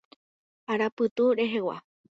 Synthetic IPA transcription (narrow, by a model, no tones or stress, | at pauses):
aɾapɨt̪uɾe̞ɦewa̰